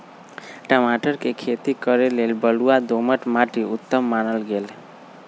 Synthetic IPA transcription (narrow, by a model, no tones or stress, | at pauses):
ʈəmaʈəɾkekʰet̪ikəɾelelbəluad̪oməʈmaʈiʊt̪ːəmːanəlɡel